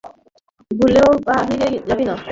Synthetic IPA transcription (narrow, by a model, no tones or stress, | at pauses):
ɡuleopaɦiɾed͡ʑabina